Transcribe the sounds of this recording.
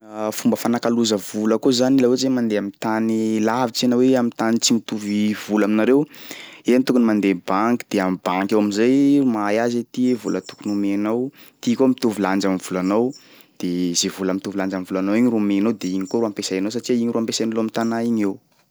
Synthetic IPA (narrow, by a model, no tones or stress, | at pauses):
fumbəfanakaluzəvuləkozanilawezemand̪eamit̪anilavit͡sianaweamit̪anit͡simit̪uvivulaminaɾewent̪ukunimand̪ebaŋki̥d̪̥eamibaŋkʲawaminzajumajazet̪ievulət̪u̥kunumenaw | t̪ikomit̪uviland͡ʒamiv̥ulanaw | d̪̥eizevulamit̪uviland͡ʒamivulanawiɲiɾmenowd̪eiɲikoɾuampesajanows̬aʈ͡ʂiaiɲiɾuampesajnoloamit̪anaiɲew